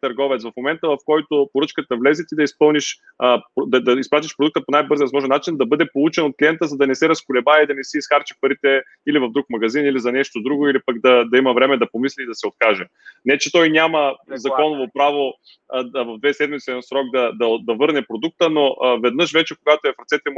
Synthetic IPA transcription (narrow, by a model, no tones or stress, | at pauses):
t̪ɐɾɡɔvɛt̪svɐfmomɛnt̪əvɐfkɔjt̪opoɾɤt͡ʃkət̪əvlɛzɛt̪id̪ɐispɤlˠniʃ | əpd̪ɐd̪ɐispɾat̪iʃpɾod̪uk̚t̪əponajbɤɾziəvɐzmɔʒɛnːat͡ʃind̪ɐbɤd̪ɛpolˠut͡ʃɛnot̪klʲijɛnt̪əzɐd̪ɐnɛsɛɾɐskʊlɛbaɛid̪ɐnɛsɛisxaɾt͡ʃɛ̥pɐɾit̪ɛ | ilivɐvd̪ɾukmɐɡɐzinilizɐnɛʃt̪od̪ɾuɡoilipɐɡd̪ɐd̪ɐimɐvɾɛmɛd̪ɐpomislʲiːd̪ɐsɛot̪̚kaʒɛ | nɛt͡ʃɛt̪ɔjnʲaməzɐɔnovopɾavo | vɐvd̪vɛsɛd̪mit̪sɛnsɾɔɡ̚d̪ɐd̪ɐd̪ɐvɤɾnɛpɾod̪uk̚t̪ənoʔvɛd̪nɤʃvɛt͡ʃɛkoɡat̪oɛfɾɐt̪sɛt̪ɛm